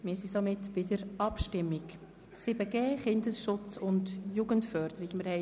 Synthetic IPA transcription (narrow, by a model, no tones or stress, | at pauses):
mɪsisomɪtb̥ɪdəɾɑpʃtɪmːɪk | sɪbəɡeːχɪndəsʃʊt͡sʊndjuɡəntfœɾd̥əɾikmɪɾhɛ